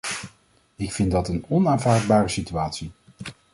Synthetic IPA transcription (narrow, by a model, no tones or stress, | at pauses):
ɪkfɪndɑtənɔnaːnvaːɹd̚baːɾəsityaːtsi